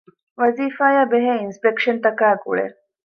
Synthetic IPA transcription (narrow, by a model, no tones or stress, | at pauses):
ʋɐziːfaːjaːbeɦeːinspekʃɐnt̪ɐkaːɡṵɭḛ